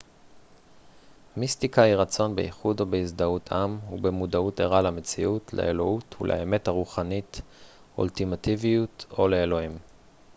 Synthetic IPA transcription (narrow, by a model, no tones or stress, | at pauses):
mistikaiʁat͡so̞nbḛʔiχudo̞beizd̪autʰamhubemudaute̞ʁalame̞t͡siutʰlḛʔelo̞utṵlʔḛeme̞thaʁuχanit | ṵltimativijuto̞leelo̞him